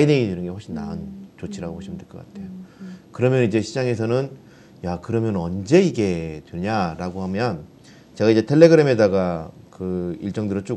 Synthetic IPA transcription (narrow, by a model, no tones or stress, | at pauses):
ideŋidinɯnɡe̞hwoɭɕʰinːa̰unt͡ɕot͡ɕʰiɾaɡohʰwoɭɕ͈ʰimɯɭntɯɭk͈ʌk͈atʰe̞jokɯɾʌmjʌnid͡ʑe̞ɕʰid͡ʑaŋe̞s̬ʰʌnɯn | jakɯɾʌmjʌnʌnd͡ʑe̞iɡe̞tweɲaɾaɡohamjʌn | t͡ɕe̞ɡaid͡ʑe̞tʰe̞ɭːe̞ɡɯɾe̞me̞daɡakɯḭɭt͡ɕ͈ʌŋdɯɾʌt͡ɕ͈o